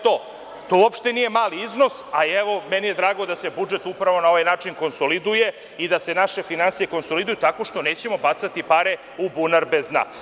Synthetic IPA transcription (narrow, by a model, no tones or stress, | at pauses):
t̪o | t̪oopʃt̪enije̞maːliizno̞saiɛʋo̞mɛnije̞d̪ɾaːɡo̞d̪asebud͡ʒe̞t̪upɾaʋo̞nao̞ʋajnaːt͡ʂinko̞nso̞lid̪uje | id̪asenaʃe̞finansijeko̞nso̞lid̪ujut̪ako̞ʂt̪o̞neːt͡ɕe̞mo̞bat̪sat̪ipaɾe | ubunaɾbezna̰